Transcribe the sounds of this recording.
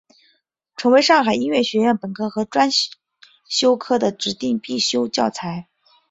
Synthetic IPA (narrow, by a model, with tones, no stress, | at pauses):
ʈ͡ʂʰɤ˧˥ŋwe˧˥ɪʂɑ˥˩ŋxa˨˩ɪi˥nɥɛ˥˩ɕɥɛ˧˥ɥɛ˥˩npə˨˩nkʰɤ˧˥xɤ˧˥ʈ͡ʂwa˥n | ɕjo˥ʊkʰɤ˥d̪ə˨ʈ͡ʂɻ̩˧˥t̪i˥˧ŋpi˥˩ɕjo˥ʊt͡ɕjɑ˥˩ʊt͡sʰa˧˥ɪ